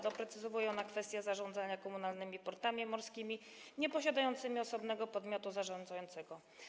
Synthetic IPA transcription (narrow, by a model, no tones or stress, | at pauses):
d̪ɔpɾɛt̪sɘzɔvujɛnakfɛst̪jazaʐɔ̃nd̪zaɲakɔmunalnɘmʲipɔɾt̪amʲimɔɾskʲimʲi | ɲɛpɔɕad̪ajɔnt̪sɘmʲiɔsɔbnɛɡɔpɔd̪mʲjɔt̪uzaʐɔnd̪zajɔnt̪sɛɡɔ